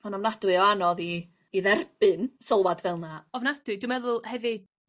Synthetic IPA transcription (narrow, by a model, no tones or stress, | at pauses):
ɔnavnad̥wɨɔanɔðiː | ðɛrb̥ɨnsɔlˠwadvɛlˠnaɔvnad̥wɨdwɨmɛðʊlˠhɛvɨd̥